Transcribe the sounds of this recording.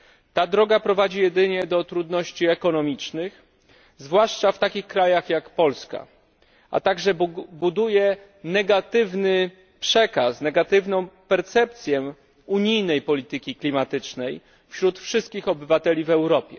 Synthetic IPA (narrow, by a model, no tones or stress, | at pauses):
t̪ad̪ɾɔɡapɾɔvad͡ʑijɛd̪ɘɲɛd̪ɔt̪ɾud̪nɔɕt͡ɕiɛkɔnɔmʲit͡ʂnɘx | zvwaʂt͡ʂaft̪akʲixkɾajaxjakpɔlska̰ | ʔa̰t̪aɡʐɛbud̪ujɛ | nɛɡat̪ɘvnɘ | pʂɛkasnɛɡat̪ɘvnɔ̃w̃pɛɾt̪sɛp̚t̪sʲjɛ | uɲijnɛjpɔlʲit̪ɘkʲiklʲimat̪ɘt͡ʂnɛj | fɕɾut̪fʂɘst̪̚kʲixɔbɘvat̪ɛlʲivɛwɾɔpʲjɛ̰